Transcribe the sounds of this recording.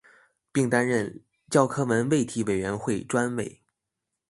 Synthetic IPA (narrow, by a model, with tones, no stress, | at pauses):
pi˥˩ŋt̪a˥nɻə˥˧˩n | t͡ɕjɑ˥˩ʊkʰɤ˥mə˧˥nwe˥˩ɪt̪ʰi˧˥we˨˩ɥɛ˧˥nxwe˥˩ɪʈ͡ʂwa˥nwe˥˩ɪ